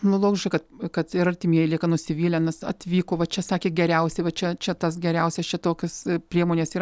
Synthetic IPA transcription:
nʊlˠoːɡʲɪʃkɐɪkɐt̪kɐt̪ɪɾɐrʲt̪ʲɪmʲiɛjɪlʲiːkɐnʊsʲɪʋʲiːlʲɛnʲɐsɐ̰t̪ʲʋʲiːkoːʋɐt͡ʃʲɛsɑːkʲeːɡʲɛɾʲɛʊsʲɛɪʋɐt͡ʃʲɛt͡ʃʲɛt̪ɐsɡʲɛɾʲɛʊsʲɛst͡ʃʲɛt̪oːkʲɪspʲɾʲiɛmoːnʲeːsiːɾ

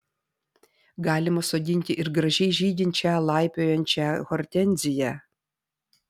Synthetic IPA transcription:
ɡɑːlʲɪmɐsoːd̪ʲɪnʲt̪ʲɪʔɪɾɡɾɐʒʲɛɪʒʲiːd̪ʲɪnʲt͡ʃʲɛlˠɑˑɪpʲoːjɛnʲt͡ʃʲɛɣɔɾʲt̪ʲɛnʲˑzʲɪjɛ

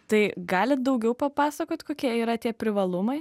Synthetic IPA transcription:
t̪ɐɪɡɑːlʲɪt̪̚d̪ɐʊɡʲɛʊpɐpɑːsɐkoːt̪ʲkoːkʲiɛiːɾɐt̪ʲiɛpʲɾʲɪʋɐlˠʊmɐɪ

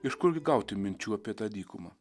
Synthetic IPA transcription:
ɪʃkʊɾʲɡʲɪɡɐˑʊt̪ʲɪmʲɪnʲt͡ʃʲuːɐpʲiɛt̪ɑd̪ʲiːkʊmɐ

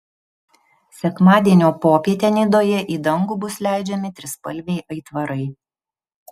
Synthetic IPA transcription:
sʲɛkmɑːd̪ʲiɛnʲoːpoːpʲiɛt̪ʲeːnʲɪd̪oːjɛʔiːd̪ɐŋɡuːbʊslʲæˑɪd͡ʒʲɛmʲɪt̪ʲɾʲɪspɐ̰lʲʋʲɛɪʔɐɪt̪ʋɐɾɐɪ

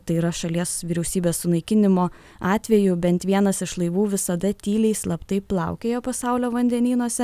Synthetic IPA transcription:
t̪ɐɪiːɾɐʃɐlʲiɛsʋʲiːɾʲɛʊsʲiːbʲeːssʊnɐɪkʲɪnʲɪmoː | ɑːt̪ʲʋʲɛjʊbʲɛnt̪ʋʲiɛnɐsɪʃlˠɐɪʋuːʋʲɪsɐd̪ɐt̪ʲiːlʲɛɪslˠɐpt̪ɐɪplˠɑʊkʲejoːpɐsɑʊlʲoːʋɐnʲd̪ʲɛnʲiːnuɔsʲɛ

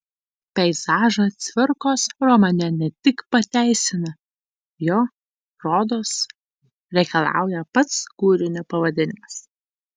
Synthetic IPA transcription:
pʲɛɪzɑːʒɐt̪sʲʋʲɪɾkoːsɾɔmɐnʲɛnʲɛt̪ʲɪkpɐt̪ʲæˑɪsʲɪnɐ | joː | ɾoːd̪oːs | ɾʲɛɪkɐlˠɑ̰ˑʊjɛpɐt̪skuːɾʲɪnʲʊpɐʋɐd̪ʲɪnʲɪmɐs

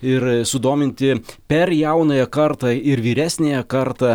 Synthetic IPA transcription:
ɪɾsʊd̪oːmʲɪnʲt̪ʲɪpʲɛɾjɛʊnɐjɛkɐɾt̪ɑːɪɾʋʲiːɾʲæːsʲnʲeːjɛkɐɾt̪ɑː

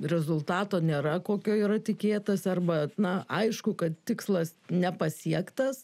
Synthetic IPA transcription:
rʲɛzʊlˠt̪ɑːt̪oːnʲeːɾɐkoːkʲoːiːɾɐt̪ʲɪkʲeːt̪ɐsɐrbɐnɐɐɪʃkʊkɐt̪̚t̪ʲɪkslˠɐsnʲɛpɐsʲiɛkt̪ɐs

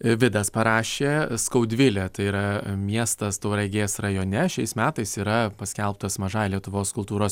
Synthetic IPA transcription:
ʋʲɪd̪ɐspɐɾɑːʃʲeːskɐʊd̪ʲʋʲɪlʲɛt̪ɐɪiːɾɐmʲiɛst̪ɐst̪oʊɾɐɪɡʲeːsrɐjoːnʲɛʃʲɛɪsmʲæːt̪ɐɪsiːɾɐpɐsʲkʲɛlˠp̚t̪ɐsmɐʒɑjlʲiɛt̪ʊʋoːskʊlˠt̪uːɾoːs

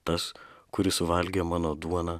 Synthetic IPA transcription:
t̪ɐskʊɾʲɪsʊʋɐlʲɡʲeːmɑːnoːd̪uɔnɑː

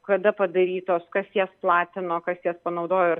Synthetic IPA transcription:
kɐd̪ɐpɐd̪ɐɾʲiːt̪oːskɐsjiɛsplˠɑːt̪ʲɪnoːkɐsjiɛspɐnɐʊd̪oːjoɪɾ

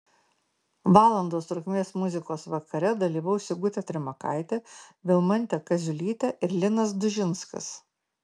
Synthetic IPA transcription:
ʋɑːlˠɐnd̪oːst̪ɾʊkʲmʲeːsmʊzʲɪkoːsʋɐkɐɾʲɛd̪ɐlʲiːʋɐʊsʲɪɡʊt̪ʲɛt̪ʲɾʲɪmɐka̰ɪt̪ʲɛʋʲɪlˠmɐnʲt̪ʲɛkɐzʲʊlʲiːt̪ʲɛʔɪɾlʲɪnɐsd̪ʊʒʲɪnskɐ̰s

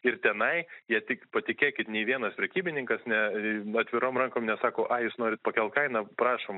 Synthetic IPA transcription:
ɪrt̪ʲɛnɐɪjiɛt̪ʲɪkpɐt̪ʲɪkʲeːkʲɪt̪nʲeɪʋʲiɛnɐspʲɾʲɛkʲiːbʲɪnʲɪŋkɐsnʲɛɐt̪ʲʋʲɪɾoːmrɐŋkoːmnʲɛsɑːkoːʔɑːjuːsnoːɾʲɪt̪̚pɐkʲɛlˠt̪kɐɪnɐpɾɑːʃoːm

